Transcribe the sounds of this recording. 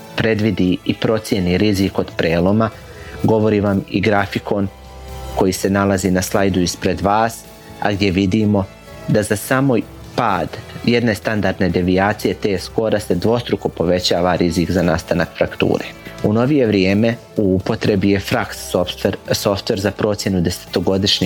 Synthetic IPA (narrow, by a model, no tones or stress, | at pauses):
pɾe̞d̪ʋid̪iipɾo̞t̪sje̞niɾiziko̞d̪pɾe̞ːlˠo̞ma | ɡo̞ʋo̞ɾiʋamḭɡɾafikʰo̞n | ko̞jiːse̞nalˠazinaslˠajd̪uispɾe̞d̪ʋaːs | a̰ɡd̪ʲje̞ʋid̪imo̞ | d̪azasaːmoj | paːd̪je̞d̪ne̞st̪and̪aɾd̪ne̞d̪e̞ʋiaːt̪sije̞t̪e̞ːsko̞ɾase̞d̪ʋo̞st̪ɾuko̞po̞ʋe̞t͡ɕaːʋaɾizikzanaːst̪anakfɾakt̪ṵːɾe̞̰uno̞ʋije̞ʋɾjeːme̞ | uupo̞t̪ɾe̞bije̞fɾaksofeɾso̞ft̪ʋe̞ɾzapɾo̞ːt̪sje̞nud̪e̞se̥t̪o̞ɡo̞d̪iʃɲi